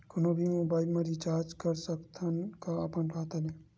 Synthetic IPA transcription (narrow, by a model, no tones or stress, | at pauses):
kʊnobʱimobaːɪlmẽɾit͡ʃaːɾd͡ʒkəɾsəkt̪ʰənkaəpənkʰaːt̪ale